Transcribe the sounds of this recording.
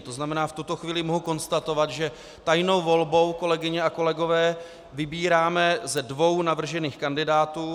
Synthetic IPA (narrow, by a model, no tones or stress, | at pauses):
t̪o̞znamɛnaːft̪ut̪o̞xviːlɪmoɦuko̞nst̪at̪o̞vat̪ʒɛ | t̪ajno̞wvo̞lbo̞wko̞lɛɡɪɲɛako̞lɛɡo̞vɛː | vɪbiːɾaːmɛzɛdvo̞wnavr̩ʒɛniːxkandɪdaːt̪uː